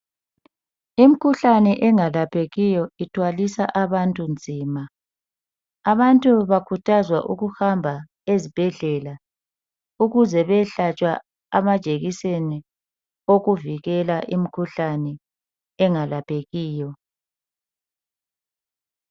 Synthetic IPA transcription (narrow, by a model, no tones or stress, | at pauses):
im̩kʰuɬanɛʔɛŋalapʰeɣijɔitʰwalisa̰ʔaβantʼund͡zʱiːma | aβantʼuβakʰutʰazwaʔuɣuhambʱa | ezib̥ʱɛɮɛla | uɣuzɛβɛɬat͡ʃʼwa | amad̥ʒ̥ʱeɣiseni | oɣuviɣɛlaʔim̩kʰuɬanɛ | ɛŋalapʰʼeɣiːjɔ